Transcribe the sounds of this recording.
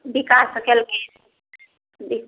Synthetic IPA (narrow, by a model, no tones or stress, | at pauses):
bikasəkəlke | i